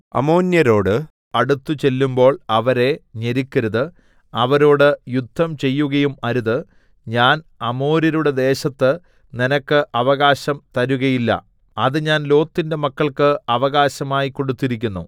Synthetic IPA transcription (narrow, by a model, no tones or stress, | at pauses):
ɐ̰mo̞ːnjɐɾo̞ːɽɨ | ɐɽut̪ːut͡ɕe̞lːumbo̞ːɭɐʋɐɾe̞ɲeɾikʲːɐɾuðɨ | ɐʋɐɾo̞ːɽɨjud̪ʱːɐmt͡ɕe̞jːuɣɐjumɐɾuðɨ | ɲaːnɐmo̞ːɾɐɾuɽe̞d̪e̞ːɕɐt̪ːɨ | ninɐkːɨʔɐʋɐɣaːɕɐmt̪ɐɾuɣɐjilːɐ̰ | ɐðɨɲaːnlo̞ːt̪ːinde̞mɐkːɐɭkɨɐʋɐɣaːɕɐmaːjikːo̞ɽut̪ːiɾik̬ʲːunːu